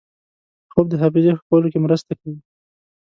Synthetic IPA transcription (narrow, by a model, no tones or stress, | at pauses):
xob̚d̪əɦafɪzexkalokemɾəst̪akawi